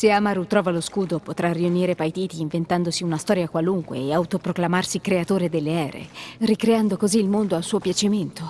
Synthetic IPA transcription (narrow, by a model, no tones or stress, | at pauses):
seamaɾut̪ɾɔːvaloskuːd̪opot̪ɾarːiuniːɾepajt̪iːt̪iːɱvent̪and̪osiunast̪ɔːɾjakwaluŋkwḛːawt̪opɾoklamarsikɾeat̪oːɾed̪elːeɛːɾḛrikɾeand̪okoziːlmond̪oalsuːopjat͡ʃiment̪o